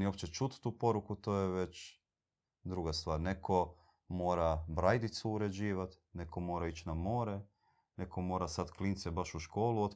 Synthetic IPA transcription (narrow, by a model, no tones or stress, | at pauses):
nio̞pt͡ʃet͡ʃut̪t̪uːpo̞ɾukut̪oːjeʋe̞t͡ɕ | d̪ɾuɡast̪ʋaːɾne̞kʰo | mo̞ːɾabɾajd̪it̪suːɾe̞d͡ʑiːʋat̪ | ne̞ko̞mo̞ːɾait͡ɕnamo̞ːɾe | ne̞komo̞ːɾasat̪klint̪sebaʃuʃko̞ːluot̪